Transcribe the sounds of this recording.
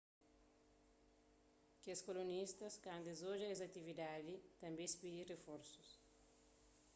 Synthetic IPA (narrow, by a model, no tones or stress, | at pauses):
keskolunist̪ɐskãnd̪ezoʒɐezɐt̪ivid̪ad̪it̪ɐ̃mbẽspid̪irefoɾsu̥s